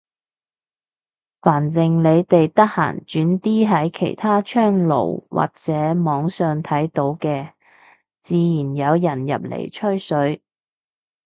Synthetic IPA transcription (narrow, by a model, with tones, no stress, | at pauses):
faː˨˩nt͡sɪ˨ŋle˨˧jt̪e˨jt̪ɐ˥k̚ha̰ː˨˩ŋt͡ʃyː˨˥nt̪iː˥ɦɐ˨˥jkʰḛ˨˩jt̪ʰaː˥t͡ʃʰœː˥ŋlo̰˨˩wwʔa̰ː˨˩k̚t͡sɛː˨˥mɔː˨˧ŋsœː˨ŋt̪ʰɐ˨˥jt̪o˨˥wkɛː˧ | t͡siː˨˧jiː˨˩njɐ˨˧wjɐ˨˩njɐ̰˨p̚lḛ˨˩jt͡ʃʰɵ˥ɥsɵ˨˥ɥ